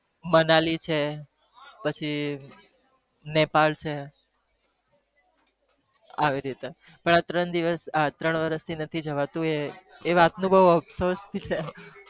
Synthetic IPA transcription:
mənalit͡ʃʰe | pət͡ʃʰi | nepalt͡ʃʰe | a̰ʋiɾit̪e | pəɳat̪ɾəɳd̪iʋəsat̪ɾəɳʋəɾəst̪ʰinət̪ʰid͡ʒəʋat̪ũeː | ʋat̪nũbəɦuəbsosbit͡ʃʰe

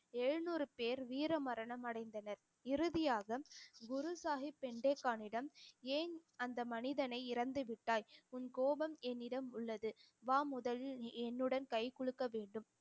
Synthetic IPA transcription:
ɛɻnuːɾɯpeːɾʋiːɾɐmɐɾɐɳɐmɐɽɐɪnd̪ɐnɐɾ | ɪɾɯðɪjaːɣɐɡʊɾʊsaːɦipːɛɳɖeːkːaːnɪɽɐmeːnɐnd̪ɐmɐnɪðɐnɐɪɪɾɐnd̪ɯʋɪʈːaːjʊnkoːbɐmɛnːɪɽɐmʊɭːɐðɯ | ʋaːmʊðɐlɪlɛnːɯɽɐnkɐɪkɔɭɯkːɐʋeːɳɖɯm

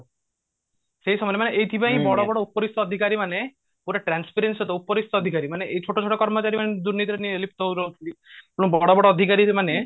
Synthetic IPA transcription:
seisɔmɔɾemaneʔeɦit̪ʰibaɦĩbɔɽɔbɔɽɔupɔɾist̪ʰɔːd̪ʱikaɾimane | koɾeʈɾanspʰeɾensɔt̪ɔupɔɾist̪ʰɔːd̪ʱikaɾimaneʔeɦit͡ʃʰoʈɔt͡ʃʰoʈɔkɔɾmɔt͡ʃaɾimaned̪uɾnit̪iɾenielip̚t̪ʰɔwɾɔt̪ʰilipuɽ̃ubɔɽɔbɔɽɔːd̪ʱikaɾimane

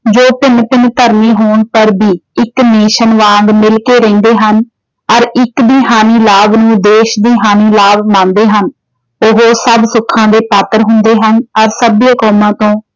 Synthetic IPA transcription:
d͡ʒoːpɪnpɪnt̪əɾmiːɦoːɳpəɾbiːɪkneːʃənʋãːŋɡmɪlkeːɾɛ̃ːnd̪eːɦən | ɔɾɪkd̪iːɦaːniːlaːbnũːd̪eːʃd̪iːɦaːniːlaːbmãːnd̪eːɦən | ʊɦoːsəbsʊkʰːãːd̪eːpaːt̪əɾɦʊnd̪eːɦənɔɾsəbiakɔːmãːt̪õː

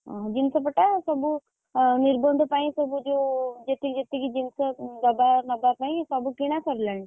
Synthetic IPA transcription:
ɦa̰d͡ʒɪnsepɐʈasɐbu | niɾbənd̪ʱpaːĩsɐbud͡ʒod͡ʒet̪id͡ʒet̪iɡid͡ʒinseɡ̪ɐbaɾnɐbaɾpaːĩsɐbukiɽ̃akəɾləɳ

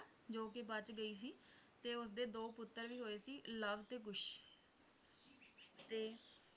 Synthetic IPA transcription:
d͡ʒoːkɪbət͡ʃɡəiːs̬iːt̪eːʊs̬d̪eːd̪oːpʊt̪ːəɾʋiːɦoːeːsiːləʋt̪eːk̬ʊʃ | t̪eː

